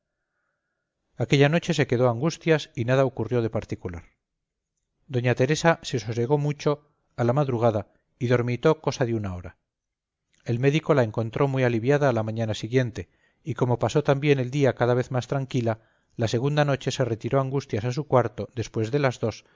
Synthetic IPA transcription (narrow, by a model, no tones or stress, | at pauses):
ake̞ʎano̞t͡ʃe̞se̞ke̞ðo̞aŋɡust̪jasinaðaokurjo̞ðe̞paɾt̪ikulaɾ | d̪o̞ɲat̪e̞ɾe̞sase̞sose̞ɣ̞o̞mut͡ʃo̞ | alamaðɾuɣaða | iðo̞ɾmit̪o̞ko̞saðeunao̞ɾa | e̞lme̞ðiko̞lae̞ŋko̞nt̪ɾʔo̞mwialiβjaðaːlamãɲanasiɣje̞nt̪e̞ | iko̞mo̞paso̞t̪ambje̞ne̞ld̪iakaðaβ̞e̞θmast̪ɾaŋkila | lase̞ɣund̪ano̞t͡ʃe̞se̞re̞t̪iɾo̞aŋɡust̪jasas̬ukwaɾt̪o̞ðe̞spwe̞zðe̞lazðo̞s